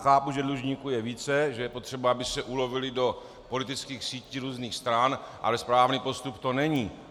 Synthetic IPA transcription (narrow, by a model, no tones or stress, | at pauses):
xaːpuʒɛdluʒɲiːkujɛviːt͡sɛʒɛjɛpo̞t̪r̥ɛbaabɪsɛʔulo̞vɪlɪdo̞ | po̞lɪt̪ɪt͡skiːxsiːciːɾuːzniːxst̪ɾanʔa̰lɛspɾaːvniːpo̞st̪upt̪o̞nɛɲiː